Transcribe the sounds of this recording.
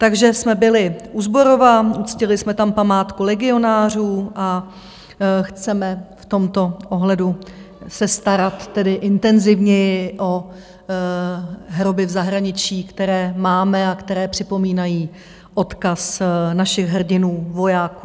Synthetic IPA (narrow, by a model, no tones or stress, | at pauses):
t̪aɡʒɛsmɛbɪlɪʔuzbo̞ɾo̞vaʔut͡scɪlɪsmɛt̪ampamaːt̪kulɛɡɪo̞naːr̝uːʔa | xt͡sɛmɛft̪o̞mt̪o̞ʔoɦlɛdu | sɛst̪aɾat̪ːɛdɪʔɪnt̪ɛnzɪvɲɛjɪʔo̞ | ɦɾo̞bɪvzaɦɾaɲɪt͡ʃiːkt̪ɛɾɛːmaːmɛakt̪ɛɾɛːpr̥ɪpo̞miːnajiː | ʔo̞t̪kasnaʃɪɣɦr̩ɟɪnuːvo̞jaːku